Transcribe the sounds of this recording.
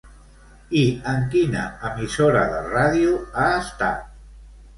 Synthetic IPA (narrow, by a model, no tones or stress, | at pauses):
iəŋkina̰əmisoɾa̰ðəraðiuaːst̪a̰t̪̚